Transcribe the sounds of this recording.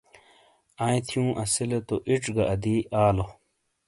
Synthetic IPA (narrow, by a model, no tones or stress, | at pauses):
ãːj̃t̪ʰjũːʔɐsilet̪oʔiʈ͡ʂɡɐʔɐd̪iaːlo